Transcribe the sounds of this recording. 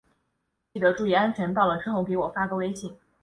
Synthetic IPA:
t͡ɕi˥˩d̪ə˧˥ʈ͡ʂu˥˩jɛ˧˥a˥nt͡ɕʰɥɛ˧˥nt̪ɑ˥˩ʊlə˩ʈ͡ʂʂʰɻ̩˥xo˥˩ʊke˧˥ɪwɔ˨˩fa˥kɤ˥we˥ɪɕi˥˩ŋ

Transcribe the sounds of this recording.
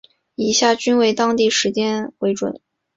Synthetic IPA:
i˧˩˥ɕja˥˩t͡ɕy˥nwe˧˩ɪt̪ɑ˥ŋt̪i˥˩ʂɻ̩˧˥t͡ɕjɛ˥nxwe˧˥ɪʈ͡ʂwə̰˨˩˦n

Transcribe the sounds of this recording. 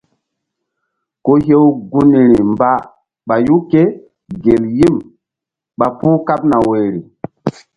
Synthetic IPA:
ko˦ɦe˦wɡu˦ni˨ɾi˨mba˦ | ɓa˨ju˦ke˦ | ɡe˨lji˦m | ɓa˨pu˦ka˦p̚na˨we˨ɾi˨

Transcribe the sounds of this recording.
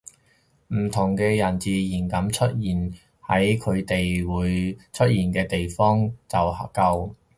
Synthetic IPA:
m̩˨˩t̪ʰʊ˨˩ŋkɛː˧jɐ˨˩nt͡siː˨jiː˨˩nkɐ˨˥mt͡ʃʰɵ˥t̚jiː˨˩n | hɐ˨˥jkʰɵ˨˧ɥt̪e˨jwuː˨˧jt͡ʃʰɵ˥t̚jiː˨˩nkɛː˧t̪e˨jfɔː˥ŋt͡sɐ˨whɐ˨kɐ˧w

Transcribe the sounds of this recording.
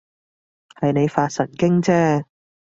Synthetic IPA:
hɐ˨jne˨˧jfaː˧t̚sɐ˨˩nkɪ˥ŋt͡sɛː˥

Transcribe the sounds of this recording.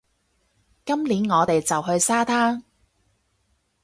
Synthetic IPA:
kɐ˥mliː˨˥nŋɔː˨˧t̪e˨jt͡sɐ˨wɦɵ˧ɥsaː˥t̪ʰaː˥ŋ

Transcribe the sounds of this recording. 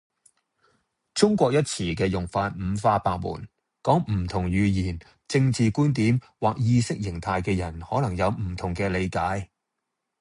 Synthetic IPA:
t͡sʊ˥ŋkʷɔː˧k̚jɐ˥t̚t͡sʰiː˨˩kɛː˧jʊ˨˩ŋfaː˧t̚m̩˨˧faː˥paː˧k̚mṵː˨˩n | kɔː˨˥ŋm̩˨˩t̪ʰʊ˨˩ŋjyː˨˧jiː˨˩n | t͡sɪ˧ŋt͡siː˨kuː˥nt̪iː˨˥m | waː˨k̚jiː˧sɪ˥k̚jɪ˨˩ŋt̪ʰaː˨˧jkɛː˧jɐ˨˩nhɔː˨˥lɐ˨˩ŋjɐ˨˧wm̩˨˩t̪ʰʊ˨˩ŋkɛː˧le˨˧jkaː˨˥j

